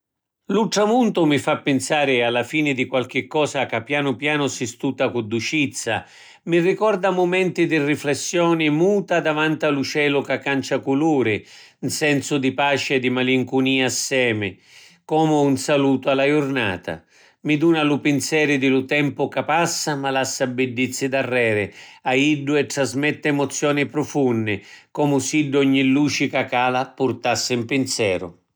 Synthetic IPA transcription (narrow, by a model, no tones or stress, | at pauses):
luʈ̪ɾamunt̪ʊmifapːɪnsaːɾɪalːafiːnɪd̪ikwalk̟ɪkːɔːsakapːjaːnʊpjaːnʊsist̪uːt̪akʊd̪ut͡ʃit̪sːa̰ | mirːikɔrd̪amʊmɛnt̪id̪iriflɛsːjɔːnɪmuːt̪ad̪avant̪alut͡ʃɛːlʊkakːant͡ʃakuluːɾɪ | nsɛnsʊd̪ipaːt͡ʃɪɛd̪ːimaliŋkuniːaːsːɛːmɪ | kɔːmʊunsaluːt̪ʊalːajʊrna̰ːt̪a̰ | mid̪uːnalʊpɪnsɛːɾɪd̪ɪlʊt̪ɛmpʊkapasːamalasːabɪɖːit̪sːɪd̪arːɛːɾɪaiɖːʊɛt̪ːɾazmɛt̪ːɪɛmʊt̪sːjɔːnɪpɾʊfunːɪkɔmʊsiɖːɔɲːilːuːt͡ʃikakaːlapʊrt̪asːɪimpɪnsjɛːɾʊ̰